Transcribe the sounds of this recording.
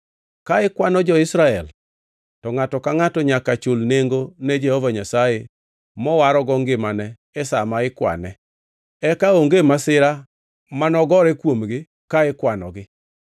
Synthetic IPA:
kaɪkwanɔd͡ʒɔɪsɾaɛl | tɔŋatɔkaŋatɔɲakat͡ʃʊlneŋɡoned͡ʒehovaɲasaje | mɔwaɾɔɡɔŋɡɪmanɛ | ɛsamaɪkwa̰nɛ | ɛkaoŋɡemasɪɾa | manɔɡɔɾɛkwomɡɪ | kaɪkwanɔ̰ɡɪ

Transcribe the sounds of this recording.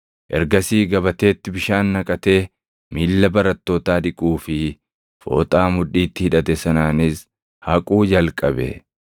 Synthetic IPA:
ʔɛ̰ɾɡɐsiːɡɐbɐt̪e̞ːt̪ːɪbɪʃaːnːɐkʼɐt̪e̞ː | miːlːɐbɐɾɐt̪ːo̞ːt̪aːd̪ɪkʼuːfɪ | fo̞̰ːt̪ʼaːmʊᶑiːt̪ːɪhɪᶑɐt̪ɛsɐnaːnɪs | hɐkʼuːd͡ʒɐlkʼɐbɛ̰

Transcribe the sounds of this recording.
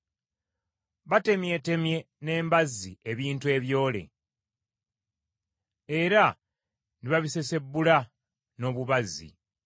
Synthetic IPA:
βate̞mje̞te̞mje̞ | ne̞ːmbazːieβiːntue̞βjo̞ːle̞̰ | eɾa | niβaβise̞se̞bːula | no̞ːβuβazːḭ

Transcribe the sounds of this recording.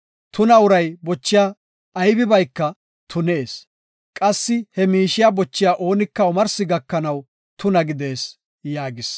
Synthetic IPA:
t̪ʊnɐʊɾɐjbɔt͡ʃːɪjaː | jbɪbɐjkːɐ | t̪ʰʊne̞ːs | kʼɐsːɪhɛmiːʃɪjabɔt͡ʃːɪjaːʔo̞ːnɪkːɐʊmɐɾsɪɡɐkːɐnɐw | t̪ʊnɐɡɪd̪e̞ːs | jaːɡɪs

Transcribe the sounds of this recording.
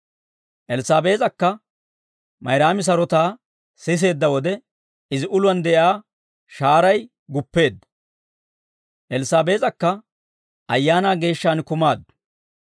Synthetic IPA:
ʔɛlɪsaːbe̞ːt͡sʼɐkːɐ | mɐjɾaːmɪs̬ɐɾɔt̪aː | sɪs̬e̞ːd̪ːɐwɔd̪ɛ | ɪzɪʔʊlʊɐnd̪ɛʔjaː | ʃaːɾɐj | ɡʊpːe̞ːd̪ːɐ̥ | ʔɛlɪsaːbe̞ːt͡sʼɐkːɐ | ʔɐjːaːnaːɡe̞ːʃːaːnkʊmaːd̪ːʊ̥

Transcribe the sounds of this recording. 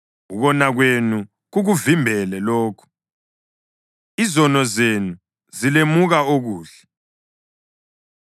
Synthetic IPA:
uɣɔnaɣwenu | ɣuɣuvimbʱɛlɛloːkʰu̥ | izɔnɔzenu | zilemuɣaoɣuːɬɛ̥

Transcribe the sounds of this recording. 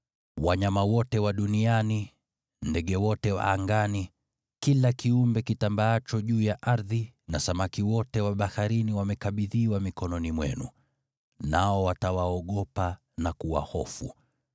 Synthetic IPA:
waɲamawɔtɛwaɗuniani | ndɛɠɛwɔtɛwa̰aŋɡani | kilakiumbɛkitambaat͡ʃɔʄuːjaʔaɾðinasamakiwɔtɛwaɓahaɾiniwamɛkaɓiðiwamikɔnɔnimwɛ̰nṵ | naɔwatawaɔɠɔpa | nakuwa̰hɔfṵ

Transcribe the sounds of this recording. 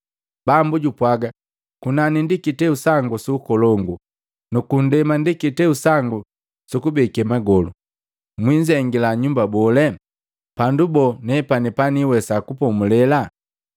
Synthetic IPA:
b̥ambuɟupwaɡa | kunanindikitɛusaŋɡusuːkɔlɔŋɡu | nukun̩dɛmandikitɛusaŋɡu | sukubɛkɛmaɡɔlu | mwiɲd͡ʒɛŋɡilaɲumbabɔlɛ | pandubɔnɛpanipaniwɛsakupɔmulɛla

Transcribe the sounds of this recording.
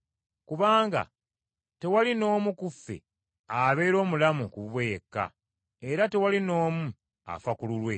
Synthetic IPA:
kuβaːŋɡa̰ | te̞walino̞ːmukufːe̞̰ | aβe̞ːɾo̞ːmulamukuββwejekːa̰ | eɾate̞walino̞ːmu | a̰fakululwe̞

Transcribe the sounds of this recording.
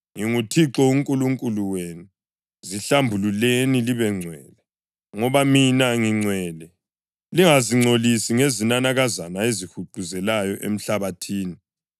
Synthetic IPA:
ŋiŋutʰiǁɔuŋkʼuluŋkʼuluweːnu | ziɬambʱululeniliβɛŋ͡ǀʱwɛ̰ːlɛ | ŋɔβaminaŋiŋ͡ǀʱwɛːlɛ | liŋaziŋ͡ǀʱolisiŋezinanaɣazanaezihuǃuzɛlajɔʔḛm̩ɬaβatʰiːni

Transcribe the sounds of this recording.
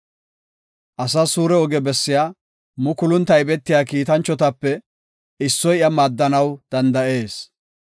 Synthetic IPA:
ʔɐsasuːɾɛɔɡɛbɛsːɪjaː | mʊkʊlʊnt̪ɐjbɛt̪ːɪjaːkiːt̪ɐnt͡ʃːɔt̪ɐpːɛ | ɪsːɔjɪɐmaːd̪ːɐnɐwd̪̥ɐnd̪ɐʔe̞ːs

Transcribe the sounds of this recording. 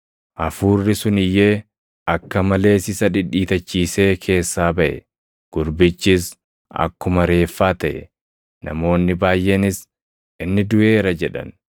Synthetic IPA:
ʔɐfuːrːɪsʊnɪjːeː | ɐkːɐmɐle̞ːsɪsɐᶑɪᶑiːt̪ɐt͡ʃːiːseːkʰe̞ːsːaːbɐʔɛ̰ | ɡ̥ʊɾbɪt͡ʃːɪs | ɐ̰kːʊmɐɾe̞ːfːaːt̪ɐʔɛ | nɐ̰mo̞ːnːɪbaːjʔenɪs | ʔɪnːɪd̪ʊʔe̞ːɾɐd͡ʒɛᶑɐ̰n

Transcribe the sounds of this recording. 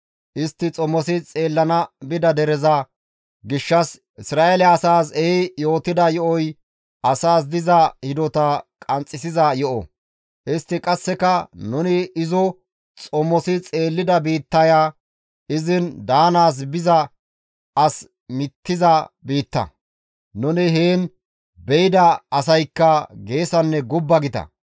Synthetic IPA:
ʔɪst̪ːɪt͡sʼɔmːɔsɪt͡sʼe̞ːlːɐnɐbɪd̪ɐd̪ɛɾɛzɐ | ɡɪʃːɐs | ɪsɾaːʔelɛɐsaːs̬ɛɪjo̞ːt̪ɪd̪ɐjɔʔɔj | ʔɐsaːs̬d̪ɪzɐhɪd̪ɔt̪ɐkʼɐnt͡sʼːɪsɪzɐjɔʔɔ̰ | ʔɪst̪ːɪkʼɐsːɛkɐnʊnɪɪzɔ | t͡sʼɔmːɔsɪt͡sʼe̞ːlːɪd̪ɐbiːt̪ːɐjaː | ɪzɪnd̪aːnaːs̬bɪzɐ | ɐs | mɪt̪ːɪzɐbiːt̪ːɐ̰ | nʊnɪɦeːn | bɛjɪd̪ɐɐsɐjkːɐɡe̞ːsɐnːɛɡʊbːɐɡɪt̪ɐ̰

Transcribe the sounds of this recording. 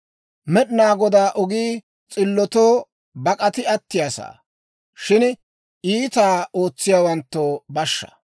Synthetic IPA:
mɛɗnaːɡɔd̪aːʔɔɡiː | t͡sʼɪlːɔt̪oː | bɐkʼɐt̪ɪɐt̪ːɪjasa̰ː | ʃɪn | iːt̪aːo̞ːt͡sːɪjaːwɐnt̪ːoːbɐʃːɐ̥̰

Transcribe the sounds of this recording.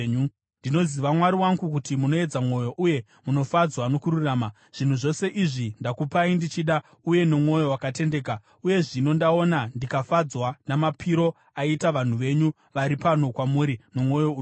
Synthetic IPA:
u | ndino̞ziʋamwaɾiwaŋɡukutimuno̞e̞d͡zamŋo̞jo̞ʔuje̞ | muno̞fad͡zwano̞kururaːma | ʐ̥in̤uʐo̞se̞ʔiʐindakupaindit͡ʃiɗa | uje̞nomŋwo̞jo̞wakate̞nde̞ːka | uje̞ʐino̞ndao̞nandikafad͡zwanamapʰiɾo̞ | aitaʋan̤uʋe̞ɲu | ʋaɾipano̞kwamuɾino̞mo̞jou

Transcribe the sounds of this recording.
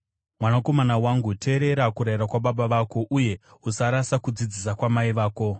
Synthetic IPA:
mwanako̞manawaŋɡutʰe̞ːɾe̞ɾakuɾaiɾakwaɓaɓaʋaːko̞ʔuje̞usaɾasakud͡zid͡zis̬akwamaiʋaːko̞

